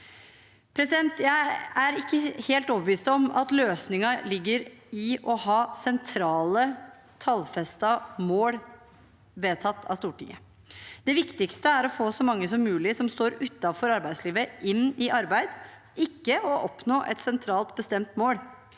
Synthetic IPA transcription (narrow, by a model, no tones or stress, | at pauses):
pʰɾɛsɪd̪ɛnt̪jæɪæɾɪkːəheːlt̪ɔːbəʋiːst̪ɔmɑ̰t̪løːsnɪŋɑlɪɡːəɾɪʔɔhɑːsɛnt̪ʰɾɑːlə | t̪ʰɑlfɛst̪ɑmoːl | ʋeːt̪ʰɑt̪ːʰɑ̰st̪uːʈɪ̰ŋə̰ | d̪̥ɛʋɪkt̪ɪkst̪əæɾɔfoːsɔmɑŋːəsɔmːʉːlɪsɔmst̪oːɾʉt̪ːɑfɔɾɑɾbæɪd̪sliːʋəʔɪnːɪʔɑɾbæɪd̪ | ɪkːəɔʔɔpnoːʔɛ̰t̪sɛnt̪ʰɾɑːlt̪bəst̪ɛmt̪moːl